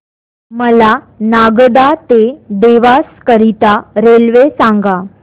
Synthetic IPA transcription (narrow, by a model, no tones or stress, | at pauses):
məla | naɡɖ̪at̪ed̪eʋaskəɾit̪aɾelʋesaŋɡa